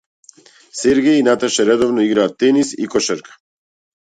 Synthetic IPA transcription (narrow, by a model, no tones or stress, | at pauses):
sɛɾɡɛjinat̪aʃɛɾɛd̪ɔvnɔiɡɾaːt̪ːɛnisḭkɔʃɛɾkḁ